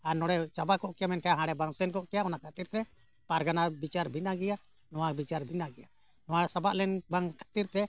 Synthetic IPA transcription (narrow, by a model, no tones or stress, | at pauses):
aɾnɔɽɛt͡ʃabakɔʔkɛjamɛnʈʰɛjaɦãɽɛbaŋsɛnkɔʔkɛjaɔnakat̪iɾt̪ɛ | paɾɡanabit͡ʃaɾbʱinaɡɛja | nɔwabit͡ʃaɾbʱinaɡɛja | nɔwasabaʔlɛnbaŋkḁt̪iɾt̪ɛ